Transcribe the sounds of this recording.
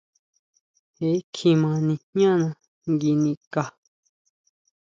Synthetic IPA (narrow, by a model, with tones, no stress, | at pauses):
e˨˦kʰĩ˧mã˧nĩ˧hɲã˦nã˧ | ŋɡi˧nĩ˧ka˨